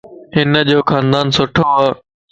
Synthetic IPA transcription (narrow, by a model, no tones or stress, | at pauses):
ɦɪnəd͡ʑoːkʰãːnd̪aːnsʊʈʰoaː